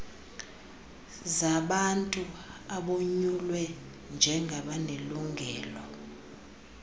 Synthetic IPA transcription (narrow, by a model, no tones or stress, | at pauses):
zaɓantʼuaɓoɲulwɛ | nd͡ʒʱɛŋʱaɓaneluŋʱɛːlɔ